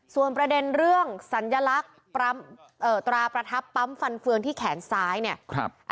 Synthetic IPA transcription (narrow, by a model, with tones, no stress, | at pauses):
su˨˩ənpɾa˧de˧nɾɯ˥˩əŋsa˩˦nja˧la˦˥k̚ | pɾa˦˥m | ʔɤː˨˩t̪ɾaː˧pɾa˧t̪ʰa˦˥pːa˦˥mfa˧nfɯ˧əŋt̪ʰiː˥˩kʰɛː˩˦nsaː˦˥jni˥˩əkʰʔ